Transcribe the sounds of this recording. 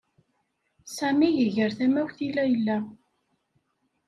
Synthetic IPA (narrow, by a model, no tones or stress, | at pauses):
sæmijəʝəɾθæmæwθilːæjəlːæ